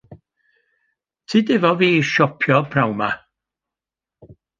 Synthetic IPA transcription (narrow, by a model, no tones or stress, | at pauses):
tʰidɪvɔviːʃɔpʰjɔpʰɾawma